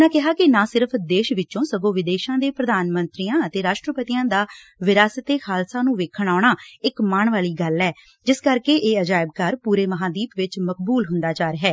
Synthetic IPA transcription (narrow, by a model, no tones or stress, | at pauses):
naːkɪɦaːkɪnãːsɪɾəpʰd̪eːʃʋɪt͡ʃõːsəɡõːʋɪd̪eːʃãːd̪eːpɾəd̪aːnmə̃nt̪ɾiːãːət̪eːɾaːʃʈɾəpət̪ijãːd̪aː | ʋɪɾaːsət̪eːxʰaːlsãːnũːʋeːkʰəɳaːɳaːɪkmaːɳʋaːliːɡəlːɛː | d͡ʒɪskəɾkeːʔeːəd͡ʒaːɪb̚kaːɾpuːɾeːməɦãːd̪iːpʋɪt͡ʃməkbuːlɦʊnd̪aːt͡ʃaːɾɦɛː